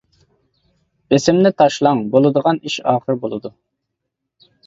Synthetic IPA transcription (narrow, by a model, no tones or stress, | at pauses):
b̥esɪmnɪt̪ʰɑʃlˠɑŋbolˠɨd̪əʁɑniʃɑːχəɾbolˠɨd̪u